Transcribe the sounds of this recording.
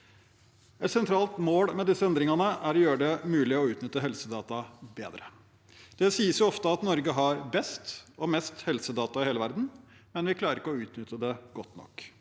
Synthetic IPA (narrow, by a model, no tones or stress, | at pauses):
ɛt̪sɛnt̪ʰɾɑːlt̪moːɽmɛd̪ɪsːəɛnd̪ɾɪŋɑnəæɾɔjøːɾəɖ̪ɛmʉːlɪɔʉːt̪nʏt̪ːəɦɛlsəd̪ɑːt̪ɑbḛːd̪ɾə | d̪̥ɛsiːəsjʊɔft̪əɑt̪nɔɾɡəɦɑɾbɛst̪ɔmɛst̪hɛlsəd̪ɑːt̪ɑɪheːləʋæɾd̪n̩mɛnʋɪkʰlɑːɾəɾɪkəɔʉːt̪nʏt̪ʰːəd̪ɛɡɔt̪ːnɔ̰kː